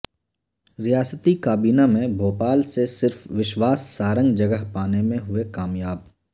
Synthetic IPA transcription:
ɾijaːsət̪ikaːbiːnamẽbʱoːpaːlsesɪɾfʋɪʃwaːsːaːɾə̃ŋɡd͡ʒɐɡəɦpaːnemẽɦʊekaːmjaːb̚

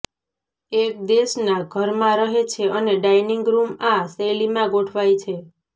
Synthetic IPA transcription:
ek̚d̪eʃnaɡʱəɾmãɾəɦet͡ʃʰeʔəneɖajniŋɡɾumãselimãɡoʈʰʋajt͡ʃʰe

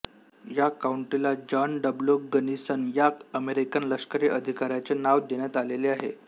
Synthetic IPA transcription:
jakauɳʈilad͡ʑɔnɖəbloɡənisənjakəmeɾikənləskəɾiʔəd̪ʱikaɾjat͡ɕenaʋd̪eɳ̃jat̪aleleaɦḛ

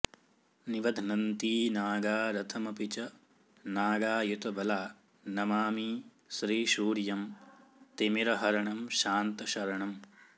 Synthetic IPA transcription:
niʋɐd̪ʱnɐnt̪iːnaːɡaːɾɐt̪ʰɐmɐpit͡ʃɐ | naːɡaːjut̪ɐbɐlaː | nɐmaːmiː | sɾiːʃuːɾjɐmt̪imiɾɐɦɐɾɐɳɐmʃaːnt̪ɐʃɐɾɐɳɐm

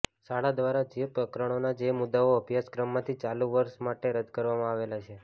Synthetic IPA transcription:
saɽad̪ʋaɾad͡ʒepɾəkɾəɽ̃onad͡ʒemʊd̪aoəbʱjaskɾəmːãt̪ʰit͡ʃaluʋəɾsmaʈeɾəd̪kəɾʋamãaʋelat͡ʃʰe

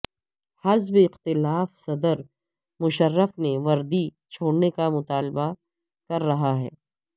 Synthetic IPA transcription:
hɐzbɪqt̪ɪlaːfsɐd̪əɾ | mʊʃərːəfneʋɐɾd̪i | t͡ʃʰoːɽnekamʊt̪aːlba | kɐɾːɐɦaɦɛ̰ː

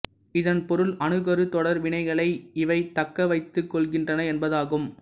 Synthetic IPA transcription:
ɪðɐnpɔɾɯlɐnɯɣɐɾɯt̪ɔɽɐɾʋɪɳɐɪɣɐɭɐɪɪʋɐɪt̪ɐkːɐʋɐɪt̪ːɯkːɔɭɣɪndrɐnɐɛnbɐðaːɣɯm

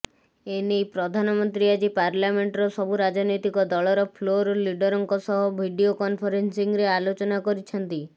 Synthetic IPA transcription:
enejpɾɔd̪ʱanɔmɔnt̪ɾiad͡ʒipaɾlameɳʈɾɔsɔbuɾad͡ʒɔnɔjt̪ikɔd̪ɔɭɔɾɔpʰloɾoliɖɔɾɔŋkɔsɔɦɔbʱiɖiokɔnpʰɔɾensiŋɾealot͡ʃɔnakɔɾit͡ʃʰɔnt̪i

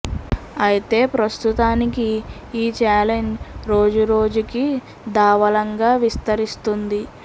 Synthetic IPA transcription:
ɐjit̪e̞ːpɾɐst̪ut̪aːnikiː | t͡ʃaːle̞ɲd͡ʒɾo̞ːd͡ʒuɾo̞ːd͡ʒuki | d̪aːʋɐlɐŋɡaːʋist̪ɐɾist̪und̪i

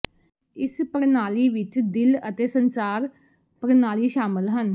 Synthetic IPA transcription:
ɪspəɾnaːliːʋɪt͡ʃd̪ɪlət̪eːsənsaːɾ | pəɾnaːliːʃaːmɪlɦən

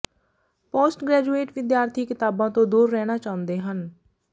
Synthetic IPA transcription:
poːsʈɡɾɛːd͡ʒuːeːʈʋɪd̪jaːɾt̪ʰiːkɪt̪aːbãːt̪õːd̪uːɾːɛːñaːt͡ʃaːʊ̃nd̪eːɦən

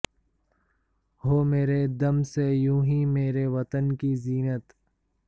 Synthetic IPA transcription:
hoːmeːɾed̪ɐmsejũːɦĩːmeːɾeʋɐt̪ənkiziːnət̪

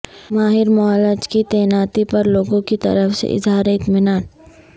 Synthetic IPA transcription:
maːɦɪɾmaləd͡ʒkit̪ɛːnaːt̪ipɐɾloːɡõkit̪ɐ̰ɾəfsḛʔɪ̰zɦaːɾeɪt̪mɪnaːn

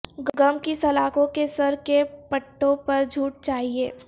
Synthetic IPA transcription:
ɡɡɐmkisɐlaːkõkesɐɾkepɐʈːõpɐɾd͡ʒʱuːʈ̚t͡ʃaːɦieː

